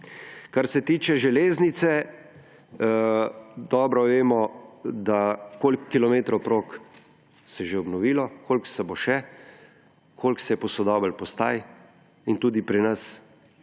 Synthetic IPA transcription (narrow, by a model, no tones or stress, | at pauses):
kaɾsɛt̪iːt͡ʃɛʒɛleːznit̪sɛ | d̪ɔːbɾɔʋeːmɔd̪akoːlkːilɔmeːt̪ɾowpɾoːk | sɛʒeɔbnɔʋiːlɔkʰoːlksɛboʃɛ | kʰoːlksɛjɛpɔsɔd̪ɔːbəlpɔst̪a̰ːj | int̪uːd̪ipɾinɐs